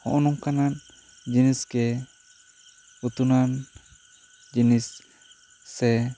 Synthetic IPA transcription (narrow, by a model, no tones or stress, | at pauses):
hɔ̰ʔɔnuŋkanan | d͡ʒiniskɛ | ut̪unan | d͡ʒinisː | ɛ